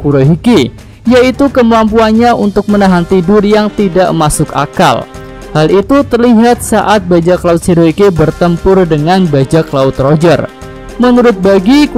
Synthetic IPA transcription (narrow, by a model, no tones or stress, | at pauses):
kuɾoɦiki | jait̪ukəmampuanɲaʔunt̪ʊk̚mənaɦant̪idʊrjaŋt̪idaʔmasʊka̰ka̰l | halit̪ut̪ərliɦat̪̚saʔat̪̚bad͡ʒaklaʊt̪̚siɾoɦikibərt̪əmpʊrdəŋanbad͡ʒaklaʊt̪rod͡ʒər | mənuɾʊt̪̚baɡi